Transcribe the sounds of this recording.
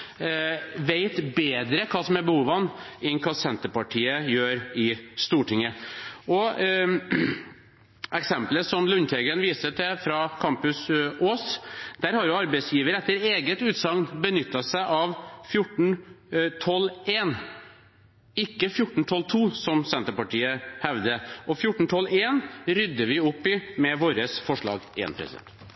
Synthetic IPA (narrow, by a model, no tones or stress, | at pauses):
ʋeɪt̪beːd̪ɾəkʰɑːsɔmɛbəhuːʋɑnɪnkʰɑːsɛnt̪əɾpɑʈʰiːəjøːɾɪst̪uːʈʰɪŋəʔɔ | ʔɛksɛmpləsɔmlʉnt̪ʰɛɡənʋiːsət̪ɛfɾɑkʰɑmpʉsoːsd̪̥æɾhɑɾjʊɑɾbɛɪsjiːʋəɾɛt̪ːəɾeːɡət̪ʉːt̪sɑŋnbənʏt̪ːɑsæɪʔɑʋfjʊʈːɳ̩t̪ʰɔleːn | ɪkːəfjʊʈːɳ̩t̪ʰɔlt̪ʰuːsɔmsɛnt̪əɾpɑʈʰiːəhɛʋd̪əʔɔfjʊʈːɳ̩t̪ʰɔleːnɾʏd̪ːəʋɪʊpːɪmɛʋoːɾəsfɔʂɭɑ̰ːɡḛːnpʰɾɛ̰sɪd̪ɛ̰nt̪